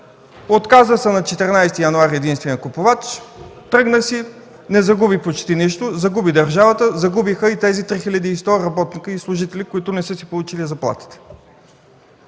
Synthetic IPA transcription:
ot̪kazvəsɛnɐt͡ʃɛt̪ɛɾnajst̪ijɐnʊaɾʲiɛd̪inst̪vɛniəkopovat͡ʃt̪ɾɤɡnəsi | nɛzɐɡubipot͡ʃt̪iniʃt̪ʊzɐɡubid̪əɾʒavət̪əzɐɡubixəit̪ɛzit̪ɾixilʲɐd̪iːst̪ɔɾɐbɔt̪nikəislˠʊʒit̪ɛlikʊit̪ʊnɛsɤsipolˠut͡ʃilizɐplˠa̰t̪i̥t̪ɛ̥

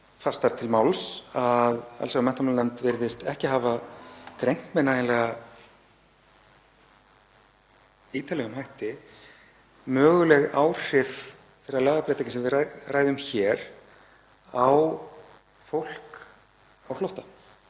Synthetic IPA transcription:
fast̪aɾt̪ʰɪlmaːwlsaða̰lsaɣmɛnt̪amalnɛmt̪vɪɾðɪst̪ɛhcɪɦaːvakɾejŋ̥t̪mɛnajɪlɛɣa | iːt̪alɛɣʏmɦajht̪ɪ | mœːɣʏlɛɣawr̥ɪf | fɪɾɾaɾlaːɣaplejt̪acɪnsɛmvɪaraːjðʏmçɛːɾ | aw | fowl̥k | awhlowht̪ḁ

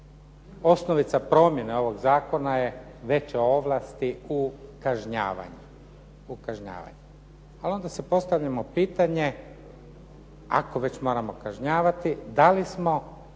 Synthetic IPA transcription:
o̞sno̞ʋit̪sapɾo̞mje̞neo̞ʋo̞ɡzaːko̞naje | ʋe̞t͡ɕeo̞ʋlˠast̪iukaʒɲa̰ːʋa̰ɲu | ukaʒɲa̰ːʋa̰ɲu | alio̞nd̪asepo̞st̪aʋʎamo̞piːt̪aɲe̞ | ako̞ʋe̞t͡ɕmo̞ːɾamo̞kaʒɲaːʋat̪id̪alismo̞

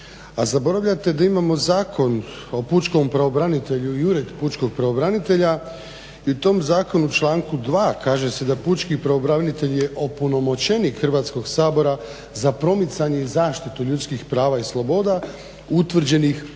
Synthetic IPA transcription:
azabo̞ɾaʋʎat̪e̞d̪aimamo̞zaːkʰo̞n | o̞put͡ʃkompɾaobɾanit̪e̞ʎuiuɾed̪put͡ʃko̞ɡ̚pɾaobɾanit̪e̞ʎa | iut̪o̞ːmzaːko̞nut͡ʃlˠaːŋkud̪ʋaːkaːʒe̞se̞d̪aput͡ʃkipɾaobɾaʋnit̪e̞ʎje̞ʔo̞puno̞mo̞t͡ɕe̞nikxr̩ʋaːt̪sko̞ɡsaːbo̞ɾa | zapɾo̞mit̪saɲe̞izaːʃt̪it̪uʎut̪skixpɾaːʋaislˠo̞bo̞ːd̪a | ut̪ʋr̩d͡ʑe̞nix

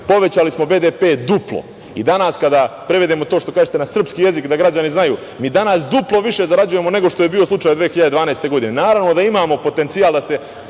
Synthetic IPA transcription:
po̞ʋe̞t͡ɕalismo̞be̞d̪epe̞ːd̪uplˠo̰ | ḭd̪anaskad̪apɾeʋed̪emo̞t̪oʃt̪o̞kaːʒet̪enasr̩pskije̞zikd̪aɡɾad͡ʑaniznajṵː | miːd̪anasd̪uplˠo̞ʋiʃe̞zaɾad͡ʑuje̞mo̞ne̞ɡo̞ʃt̪ojebio̞slˠut͡ʃaːjd̪ʋeexiʎad̪ed̪ʋaːnaest̪e̞ɡo̞d̪ine̞naːɾaʋno̞d̪aimaːmo̞po̞t̪e̞nt̪sijaːlˠd̪ase̞

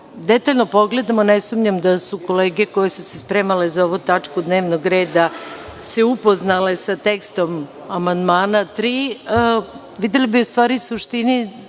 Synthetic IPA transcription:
d̪e̞t̪aʎno̞po̞ɡle̞d̪amonesumɲamd̪asuko̞leːɡeko̞jesusespɾe̞ːmalezaoʋut̪at͡ʂkud̪ne̞ːʋnoɡɾeːd̪aseupo̞znale̞sat̪e̞kst̪o̞m | amand̪maːnat̪ɾiːə | ʋid̪elibiust̪ʋaːɾisuʃt̪ini

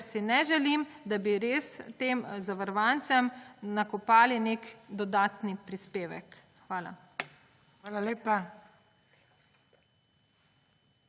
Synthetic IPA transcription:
ɾsinɛʒɛlimd̪abiɾeːst̪eːmzaʋəɾʋant̪sɛmnakɔpaːlinekd̪ɔd̪aːt̪nipɾispeːʋɛ̰k | xʋaːla̰ | aːlaleːpa

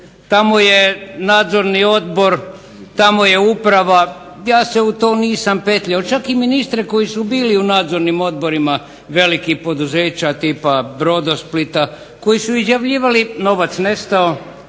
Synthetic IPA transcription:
t̪amo̞je̞naːd̪zo̞ɾnio̞d̪̚bo̞ɾ | t̪amo̞je̞upɾaʋa | jaːseut̪oːniːsampe̞t̪ʎaot͡ʃakiminist̪ɾeko̞jisubiːliunaːd̪zo̞ɾnimo̞d̪̚bo̞ɾima | ʋe̞likipo̞d̪uze̞ːt͡ɕat̪iːpabɾo̞d̪osplit̪a | ko̞jisuizjaʋʎiːʋalino̞ʋat̪sne̞st̪ao

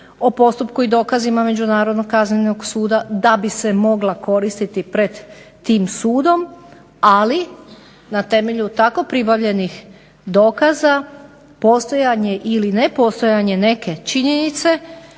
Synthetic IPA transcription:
o̞po̞st̪upkuid̪o̞ːkazimame̞d͡ʒunaːɾo̞d̪no̞ɡ̚kazɲenoɡsuːd̪ad̪abise̞mo̞ɡlako̞ɾist̪it̪ipɾe̞d̪ː | iːmsuːd̪o̞m | ali | nat̪e̞me̞ʎut̪ako̞pɾibaʋʎe̞nix | d̪o̞ːkaza | po̞st̪o̞jaɲe̞ʔiline̞po̞st̪o̞jaɲe̞ne̞ke̞t͡ʃiɲe̞nit̪se̞

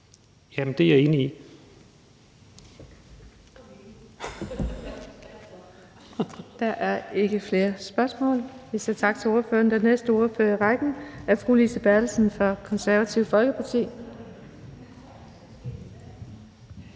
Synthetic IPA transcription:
jæmend̥e̝jɑe̝ːnii | d̥ɑʔæɐe̝ɡ̥əfle̝ːɐsb̥ɶɐsmɔ̰̽ːlʋiset͡sʰɑ̈ɡ̥̚t͡sʰe̝lo̝ɐføːɐnd̥enesd̥əo̝ɐføɐiʁɑɡ̥n̩ʔæɐfʁṵːlisəb̥æɐlsn̩fɒ̽kʰɒ̽nsæɐʋæt͡sʰiʊfɒ̽lɡ̥əpʰɑ̈t͡sʰḭː

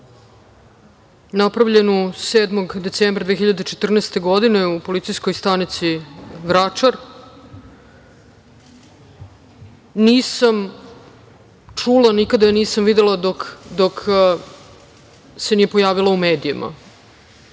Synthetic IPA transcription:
napɾavʎe̞nuseːd̪moɡd̪e̞t̪seːmbɾad̪ʋexiʎad̪et͡ʃet̪r̩neːst̪e̞ɡo̞d̪ine̞upo̞lit̪sijsko̞jst̪anit̪siʋɾat͡ʃaɾ | niːsam | t͡ʂulˠanikad̪ajeniːsamʋid̪elˠad̪okd̪ok | senijepo̞jaːʋilˠaumeːd̪ijimʔa̰

